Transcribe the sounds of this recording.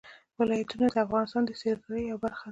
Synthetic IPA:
wɪlɑjat̪unad̪əafɣɑnɪst̪ɑnd̪əseɾzaɾəjawbaɾxad̪a

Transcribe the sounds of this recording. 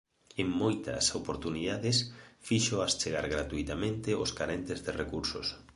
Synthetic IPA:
eŋmojt̪ɐ̰sopoɾt̪uniðaðesfiʃoast͡ʃeɣaɾɣɾat̪ujt̪amẽnt̪eoskaɾent̪ezðerekuɾso̰s

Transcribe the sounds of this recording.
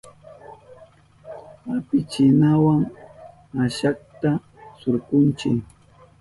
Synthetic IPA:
apɪt͡ʃɪnawaŋ | aʃak̚t̪a | sʊɾkʊnt͡ʃɪk

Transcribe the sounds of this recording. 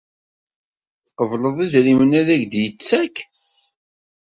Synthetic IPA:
θqːəvləðˤiðɾimənæðæʝd̪jət͡sːæk

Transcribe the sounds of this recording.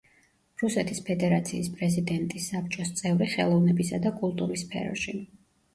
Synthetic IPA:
ɾusɛt̪ʰispʰɛd̪ɛɾat̪sʰḭːspʼɾɛzid̪ɛnt̪ʼisːapt͡ʃʼɔst̪sʼɛvɾiχɛ̰lˠɔvnɛbisad̪akʼulˠt̪ʼuɾisːpʰɛ̰ɾɔ̰ʃi

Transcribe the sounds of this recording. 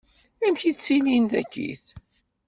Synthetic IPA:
æmçit͡sːininðæ̰kːḭθ

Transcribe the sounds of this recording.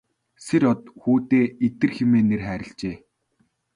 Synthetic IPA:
seɾɔt̪xuːt̪eːet̪ɘ̆rxemeːnerχæːɾʲɪ̆ɬt͡ɕeː

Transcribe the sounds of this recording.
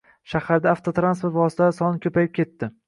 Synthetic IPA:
ʃahaɾd̪aːft̪ʰot̪ɾanspoɾt̪vɒsɪ̥t̪ʰasɒnɪkʲʰɵpajɪp̚kʲʰe̞t̪ːɪ

